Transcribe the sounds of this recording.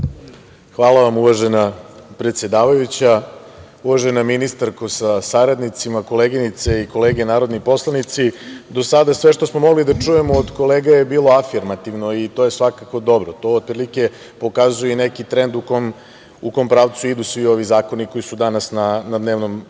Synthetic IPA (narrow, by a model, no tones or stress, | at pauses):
xʋaːlˠaʋamuʋaʒe̞napɾe̞t̪sʲje̞d̪aːʋajut͡ɕa | uʋaʒenaminist̪aɾkosasaɾad̪nit̪simako̞leɡinit̪seiko̞leːɡenaːɾo̞d̪nipo̞slˠanit̪sid̪o̞sad̪asʋe̞ʂt̪o̞smomo̞ɡlid̪at͡ʂuje̞moːd̪ko̞leːɡajebiːlˠo̞afiɾmat̪iʋnoit̪o̞jesʋakakod̪o̞bɾot̪o̞ːt̪̚pɾilike̞ | po̞kazujenekit̪ɾend̪ukom | uko̞mpɾaːʋt̪suid̪usʋio̞ʋizaːko̞niko̞jisud̪anasnanad̪neːʋno̞m